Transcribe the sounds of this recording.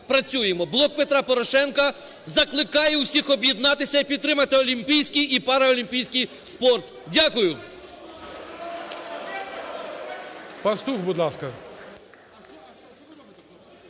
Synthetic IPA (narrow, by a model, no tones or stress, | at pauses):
pɾɐt͡sʲujemɔblˠɔk̚pet̪ɾɑpɔɾɔʃɛnkɐ | zɐklˠɪkɑjɛwsʲixɔbjɛd̪nɑt̪ɪsʲɐipʲid̪t̪ːɾɪmɐt̪ɪɔlʲimʲpʲijsʲkijipɑɾɐɔlʲimʲpʲijsʲkij | spɔrt̪ | dʲakʊjʊ | pɐst̪uxbud̪lˠɑskɐ